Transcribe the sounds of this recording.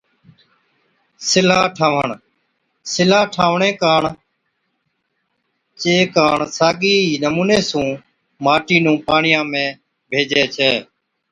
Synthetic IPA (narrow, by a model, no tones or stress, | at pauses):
sɪlaːʈʰaːʋəɳ | sɪlaːʈʰaːʋɳeːkaːɳ | t͡ʃeːkaːɳsaːɡiːiːnəmuːneːsũː | maːʈiːnũːpaːɳɪjãːmẽː | bʱeːd͡ʒeːt͡ʃʰeː